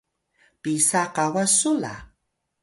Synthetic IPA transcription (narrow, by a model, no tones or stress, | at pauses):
pisaqawasʊla̰